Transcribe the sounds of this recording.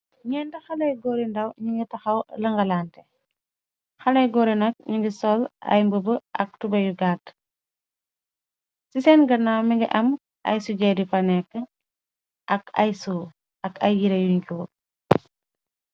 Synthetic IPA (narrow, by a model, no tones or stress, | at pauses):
ɲɛndɐxɐlɐjɡɔːɾindɐwɲiŋɡitɐxɐwlɐŋɡɐlaːntɛ | xɐlɐjɡɔːɾinɐk̚ɲuŋɡisɔlɐ̰jmbəbəɐ̰k̚tubɐjuɡaːt | sisɛnɡɐnawmiŋɡḭʔɐm | ʔɐ̰jsuɟɛːdipɐnɛkːə | ʔɐkɐ̰jsuː | ɐkʰɐjjiɾɐjuɲkuː